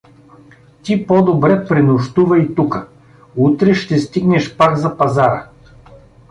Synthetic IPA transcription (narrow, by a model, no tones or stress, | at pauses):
t̪ipɔd̪obɾɛpɾinʊʃt̪uvɐit̪ukə | ut̪ɾɛʃt̪ɛst̪iɡnɛʃpaɡzɐpɐzaɾə̰